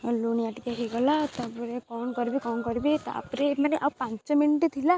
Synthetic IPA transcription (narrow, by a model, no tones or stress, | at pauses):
ɔluniaʈikakeɡɔlat̪ɔpɔɾekɔnkɔɾbekɔnkɔɾibet̪a̰pɾemaneʔapãnt͡ʃɔminʈet̪ʰila